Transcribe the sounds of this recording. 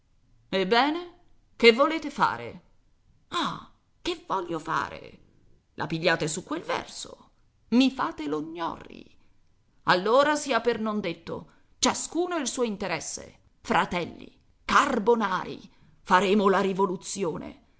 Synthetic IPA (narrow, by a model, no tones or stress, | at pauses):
ebːɛːne | kevːoleːt̪efa̰ːɾḛ | a | kevɔʎːofa̰ːɾḛ | lʔa̰piʎːaːt̪esukːwelvɛ̰rso̰ | mifaːt̪eloɲːɔ̰rːḭ | alːoːɾasiːapernond̪et̪ːo̰ | t͡ʃaskuːnoilsuːoint̪eɾɛsːḛ | fɾat̪ɛlːḭ | karbonaːɾḭ | faɾeːmolaɾivolut̪sːjoːnḛ